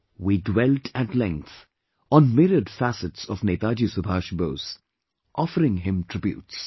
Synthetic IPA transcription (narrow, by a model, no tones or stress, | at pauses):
wiːɖwɛlʈʰæʈlɛ̃ŋk̚t̪ | ɔ̃nmɪɾəɖfæsɪʈsɔʋnet̪aːd͡ʒisʊbʱaːʃboːs | ʔɔfəɾɪ̃ŋɦɪ̃mʈʰɾɪbjṵːts